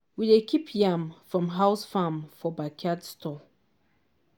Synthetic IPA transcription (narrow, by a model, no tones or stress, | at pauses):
widekʰipʰjãmfɹɔ̃mɦaʊsfamfɔbakʰadstʰɔ